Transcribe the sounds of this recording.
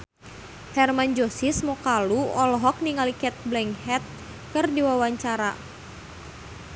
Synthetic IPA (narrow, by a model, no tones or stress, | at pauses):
hɛrmand͡ʒosismɔkaluɔlɔɦɔk̚niŋalikɛt̪̚blɛŋhɛt̪̚ | kɨrdiwawaɲt͡ʃaɾa